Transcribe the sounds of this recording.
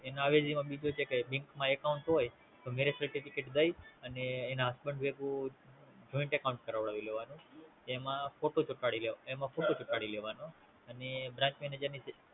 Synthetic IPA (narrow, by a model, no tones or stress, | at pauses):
enoaʋed͡ʒimãbid͡ʒot͡ʃʰekebiŋkmãekauɳʈɦoj | t̪omeɾesəɾʈifikeʈd̪əjəneːnaɦasbəɳɖʋekũ | d͡ʒɔĩɳʈekaũɳʈkəɾaʋɭaʋileʋanũk̪ːmãfoʈot͡ʃʊkaɽileemãfoʈot͡ʃʊkaɽileʋano | ənebɾãɲt͡ʃmiened͡ʒanis